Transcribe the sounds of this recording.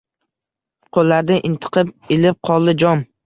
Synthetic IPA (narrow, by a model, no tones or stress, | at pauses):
qʰolːaɾd̪aʔɪnt̪ʰɨ̥qʰɨp̚ɪlɪp̚qʰɒlˠd̪ɪd͡ʒɒm